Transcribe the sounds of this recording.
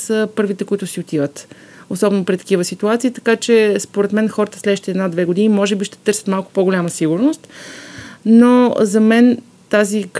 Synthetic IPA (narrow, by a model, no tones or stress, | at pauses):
səpɤɾvit̪ɛkʊit̪ʊsiot̪ivət̪osɔbɛnʊpɾit̪ɐ̥kivəsit̪uat̪siːt̪ɐ̥kat͡ʃɛspoɾɛt̪mɛnxɔɾət̪əslɛd̪ʃt̪iɛd̪nad̪vɛɡʊd̪inimɔʒɛbiʃt̪ɛ̥t̪ɤɾsʲə̥t̪malˠkʊ̥poɡolʲaməsiɡʊɾnost̪ | nozɐmɛn | t̪azik